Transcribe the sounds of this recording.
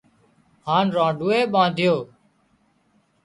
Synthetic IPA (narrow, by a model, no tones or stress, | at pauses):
haːnɾãːɖʱuːeːɓãːnd̪ʱɪjoː